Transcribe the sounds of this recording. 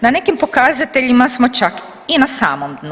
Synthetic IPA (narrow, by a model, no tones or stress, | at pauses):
nane̞kimpo̞kaːzat̪e̞ʎimasmo̞t͡ʃak | inasa̰ːmomd̪n